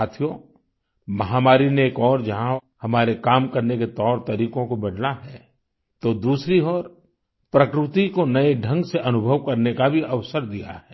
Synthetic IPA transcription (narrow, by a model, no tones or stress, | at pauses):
aːt̪ʰijo | mɐɦaːmaːɾineːkɔːɾd͡ʒɐɦã | hɐmaːɾekaːmkɐɾneket̪ɔːɾt̪ɐɾiːkõkobɐɽnaɦɛː | t̪od̪uːsɾiɔːɾ | pɾɐkɾɪt̪ikonɐeɖʱə̃ŋɡseʔɐnʊbʱəʋkɐɾnekabʱiʔɐʋsəɾd̪ija̰ɦɛː